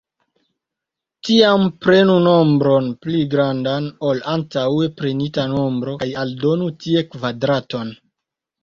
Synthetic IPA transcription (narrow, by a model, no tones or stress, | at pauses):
tiampɾe̞nuno̞mbɾo̞npliɡɾandano̞lantawe̞pɾe̞nitano̞mbɾo̞jaldo̞nutie̞kvadɾato̞n